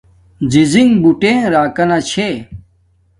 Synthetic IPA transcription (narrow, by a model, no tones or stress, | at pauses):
d͡ʑiziŋɡbuʈẽːɾaːkɐnat͡ɕʰe